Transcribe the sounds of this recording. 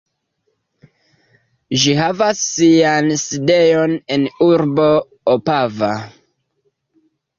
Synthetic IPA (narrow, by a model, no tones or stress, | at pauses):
ʒiɦavasːianside̞jo̞ne̞nuɾbo̞ | opava